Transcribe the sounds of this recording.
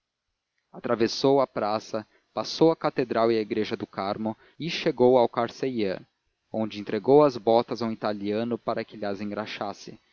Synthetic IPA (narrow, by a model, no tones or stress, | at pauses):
at̪ɾavesowɐpɾasɐ | pasowɐkat̪ed̪ɾawiɐiɡɾeʒɐd̪ʊkaɾmʊ | ɪʃeɡowawkaɾseje | õnd͡ʒɪẽnt̪ɾeɡowɐzbɔt̪ɐzaw̃it̪aliɐ̃nʊpaɾɐkɪlɐzẽŋɡɾaʃasɪ